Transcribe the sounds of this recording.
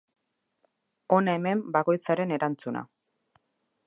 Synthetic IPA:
o̞nae̞me̞mbako̞jt͡saɾe̞ne̞ɾant͡suna̰

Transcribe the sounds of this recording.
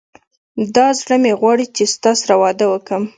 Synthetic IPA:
d̪ɑzɽəmeɣwɑɽit͡ʃest̪ɑsaɾawɑd̪awəkəm

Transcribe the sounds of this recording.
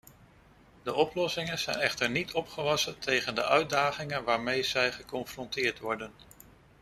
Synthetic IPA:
dəɔplɔsɪŋənz̥ɛjnɛχtəɹnitʰɔpχəʋɑsəntʰejχəndəʔœɥtdaːχɪŋənʋaːɹmejz̥ɛjχəkɔnfrɔntɪːɹtʋɔɹdən

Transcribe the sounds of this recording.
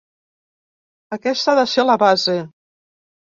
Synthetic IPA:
əkɛst̪aðəseləβaze

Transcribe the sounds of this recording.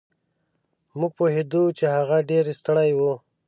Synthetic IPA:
muɡ̚poɦed̪ut͡ʃehaɣaɖeɾest̪əɽajwu

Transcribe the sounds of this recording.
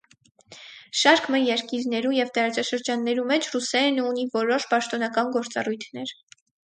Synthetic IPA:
ʃɑɾkmɛɾjɛɾkiɾnɛɾujɛvt̪ɑɾɑt͡sɑʃəɾd͡ʒɑnːɛɾumɛt͡ʃʰrusɛɾnunivɔɾɔʃpɑʃt̪ɔnɑkɑnɡɔɾt͡sɑ̰rujt̪ʰnɛɾ

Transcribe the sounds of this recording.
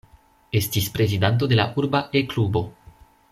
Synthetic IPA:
est̪ispɾezid̪ant̪̬od̪ela̰ʔuɾbaʔeklubo̞

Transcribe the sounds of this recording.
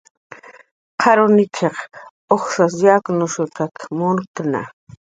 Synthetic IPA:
qʰɑɾʊnɪkʰeχ | oχsasjaknʊʃʊt̪akmʊnkna̰

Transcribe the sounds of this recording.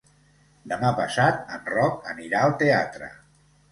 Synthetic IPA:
d̪əmapəsat̪̚ənrɔkəniɾaəlˠt̪eat̪ɾə̰

